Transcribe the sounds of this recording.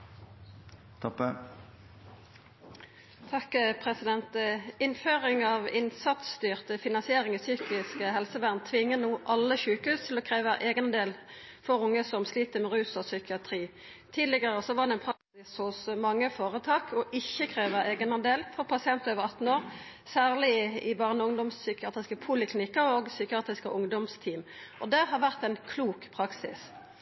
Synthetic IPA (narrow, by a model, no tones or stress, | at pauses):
t̪ʰɔpːə | t̪ʰɑkpʰʁɛsɪd̪ɛnt̪əɪnføːʁɪŋɑːʋɪnsɑt̪st̪yːʁt̪əfɪnɑnsɪeːʁɪŋiːsyːkɪskəɦɛlsəʋæʁnt̪ʰʋɪŋːənuːʔɑlːəçʉːkəhʉːst̪ʰɪlɔːkʰʁeːʋəæʔeːɡənd̪eːlfɔʁʊŋːəsɔmsliːt̪əmɛʁʉːsɔsʏkɪɑt̪ʰʁiː | t̪ʰiːd̪lɪɡəʁəsɔʋɑʁɖ̪ɛɪnpʰɾɑksɪshʊsmɑŋːəfoːʁət̪ʰɑːkʰɔʔɪçːəkʰʁeːʋəeːɡənəd̪eːlfɔʁpʰɑsɪɛnt̪øːʋəʁɑt̪n̩oːʁ | sæːʁlɪɪbɑːʁnəʊŋd̪ɔmssʏkɪɑːt̪ʁɪskəpʰʊlɪkʰlɪnɪkːəʁoːɡsʏkɪɑːt̪ʁɪskəʔʊŋd̪ɔmst̪ʰiːm | ʔɔd̪ɛhɑʁʋæʁt̪ɛnkʰluːkpʰʁɑksɪs